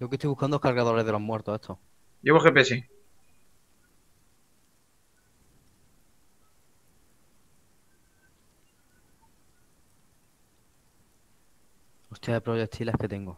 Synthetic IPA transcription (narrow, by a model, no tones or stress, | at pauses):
joket̪ojβukand̪ookaɾɣaðo̞ɾeðelo̞ɦmwe̞ɾt̪oet̪ʰo | jeβoxepesi | ost̪jaepɾoʝek̚t̪ʰilehke̞t̪e̞ŋɡo